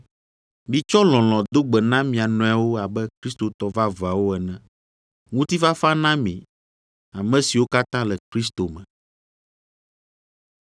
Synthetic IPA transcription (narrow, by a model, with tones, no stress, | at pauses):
mĩ˨t͡ʃɔ˦lɔ̃˨l̃ɔ̃˨d̪o˦ɡ͡bɛ˨nã˦mĩ˨a˨nɔ̃˨˦a˨wo˦a˨bɛ˦kɾi˦st̪o˨t̪ɔ˨va˦va˨wo˦ɛ˨nɛ̃˦ | ŋũ˦t̪i˦fa˦fa˦nã˦mḭ̃˨ | a˨mɛ̃˨si˨wo˦ka˦t̪ã˦lɛ˨kɾi˦st̪o˨mɛ̰̃˨